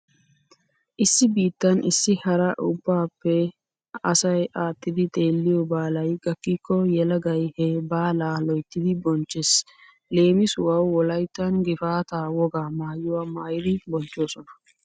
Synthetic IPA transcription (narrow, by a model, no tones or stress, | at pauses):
ʔɪsːɪbiːt̪ːɐnɪsːɪhɐɾɐʔʊbːaːpːɛ | ɐsɐjʔaːt̪ːɪd̪ɪt̪ʼe̞ːlːɪjɔbaːlɐjɡʼɐkːiːkːɔjɛlɐɡɐjhɛbaːlaːlɔjt̪ːɪd̪ɪbɔnt͡ʃːɛs | le̞ːmɪsʊwɐwːɔlɐjt̪ːɐnɡɪfaːt̪aːwɔɡaːmaːjʊwɐmaːjɪd̪ɪbɔnt͡ʃːoːsɔnɐ̥